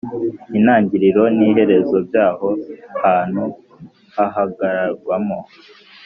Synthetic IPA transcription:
inaːɲɟiɾiɾo̞niːɦe̞ɾe̞zo̞bjaːho̞haːn̥hu | haɦaɡaɾaɾɡwamo̞

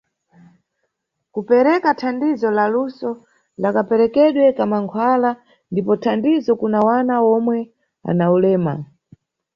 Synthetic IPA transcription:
kupɛɾɛkatʰandizɔlalusɔ | lakapɛɾɛkɛɗwɛkamaŋkʰwala | ndipɔtʰandizɔkunawanaɔmwɛ | a̰naulɛːma̰

